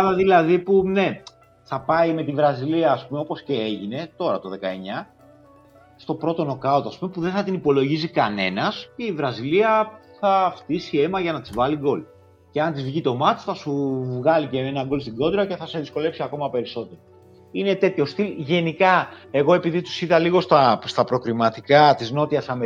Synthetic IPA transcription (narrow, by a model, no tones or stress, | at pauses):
ɐlɐðilɐðipune̞ | θɐpɐime̞t̪ivɾɐziliɐːspumeo̞po̞sce̞eʝine̞t̪o̞ɾɐt̪o̞ðe̞kɐe̞ɲɐ | st̪o̞pɾo̞t̪o̞no̞kɐot̪ɐspume̞puðeθɐt̪inipo̞lo̞ʝis̬ikɐne̞̰nɐsce̞ivɾɐziliɐθɐft̪isie̞mɐʝɐnɐt̪izvɐliɡo̞l | ceɐnt̪izvʝit̪o̞mɐt̪i̥sθɐsuvɣɐlice̞enɐŋɡo̞lst̪iɡo̞d̪ɾɐce̞θɐse̞ðisko̞le̞psiɐko̞mɐpe̞ɾiso̞t̪e̞ɾo | ine̞t̪e̞t̪ço̞st̪ilʝe̞nikɐe̞ɣo̞e̞piðit̪u̥siðɐliɣo̞st̪ɐst̪ɐpɾo̞kɾimɐt̪ikɐt̪izno̞t̪iɐsɐme